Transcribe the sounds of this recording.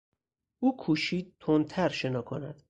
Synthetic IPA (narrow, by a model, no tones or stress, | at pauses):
ʔuːkʰuːʃiːd̪̚t̪ʰont̪ʰæɾʃe̞nɒːkʰo̰næ̰d̪̥